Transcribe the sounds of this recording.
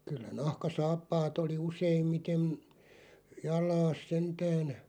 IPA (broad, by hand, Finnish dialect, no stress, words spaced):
kylːæ nɑhkɑsɑːpːɑːt oli useimːitem jɑlˑɑːs sentæːn